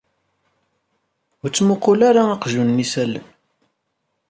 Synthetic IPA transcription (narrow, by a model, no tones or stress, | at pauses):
t͡sːmʊqːʊlaɾaɑqʒunːisælə̰n